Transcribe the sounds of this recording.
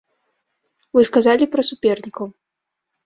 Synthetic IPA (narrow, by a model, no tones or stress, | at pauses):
vɨskazalʲipɾɐsupʲɛrnʲikɐw